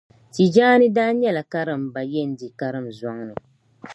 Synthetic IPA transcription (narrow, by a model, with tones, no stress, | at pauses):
ti˨d͡ʒaː˦nɨ˦daː˦ɲɛ˦la˨ka˦ɾɨ˦˨m˨ba˨jɛ˦˨n̩˨˦di˨ka˦ɾɨ˦mzɔ˦ŋnɨ˨